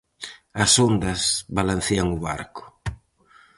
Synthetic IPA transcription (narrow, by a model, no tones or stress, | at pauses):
ɐsond̪ɐsβalan̟θeaŋʊβa̰ɾkʊ̥